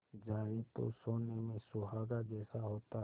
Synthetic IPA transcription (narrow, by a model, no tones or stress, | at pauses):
d͡ʒaːet̪o̰soːnemẽsʊɦaːɡad͡ʒɛːsaɦoːt̪a